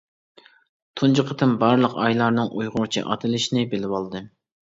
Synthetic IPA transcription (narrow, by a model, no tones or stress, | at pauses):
t̪ʰund͡ʒɨqʰət̪ʰɨmbɑɾlˠəqɑjlˠɑɾnɨŋʔujʁʊɾt͡ʃʰḭʔɑ̰t̪ʰɨlˠɪʃinɪbɪlɪwɑlˠd̪ɨ